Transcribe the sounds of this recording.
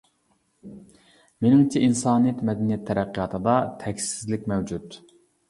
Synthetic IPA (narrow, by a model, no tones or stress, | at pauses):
menɪŋt͡ʃʰiʔinsɑːnɨjɛt̪mɛd̪ɛnijɛt̪ʰːɛɾæqʰːijɑːt̪ʰɨd̪ɑt̪ʰɛkʲssɪzlɪk̚ʲmɛwd͡ʒut̪